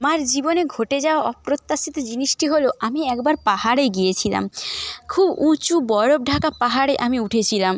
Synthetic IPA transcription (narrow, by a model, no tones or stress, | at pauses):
maɾd͡ʑiboneɡʱoʈed͡ʑaoaɔpɾot̪ːasit̪od͡ʑiniʃʈiɦoloʔamiɛkbaɾpahaɾeɡijet͡ɕʰila̰mkʰubut͡ɕubɔɾob̚ɖʱakapaɦaɾeʔamiuʈʰet͡ɕʰilam